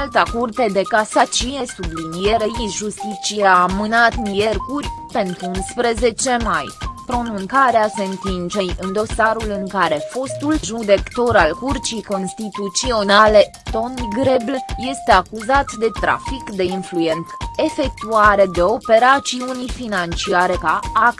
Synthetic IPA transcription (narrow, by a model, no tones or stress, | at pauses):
alt̪akurt̪ed̪e̞kasat͡ʃije̞sublinijeɾejiʒust̪it͡ʃijaːmɨnat̪nijerkurʲpe̞nt̪ɾuunspɾe̞ze̞t͡ʃe̞majpɾo̞nũŋkaɾease̞ɨnt̪int͡ʃe̞jɨnd̪o̞saɾulɨŋkaɾe̞fo̞st̪ulʒud̪e̞kt̪o̞ɾalkurt͡ʃijko̞nst̪it̪ut̪sio̞nale̞ | t̪o̞niɡɾe̞blje̞st̪e̞akuzat̪d̪e̞t̪ɾa̰fikd̪e̞influje̞nt̪se̞fe̞k̚t̪uaɾe̞d̪e̞o̞pe̞ɾat͡ʃiunifinant͡ʃiaɾekaa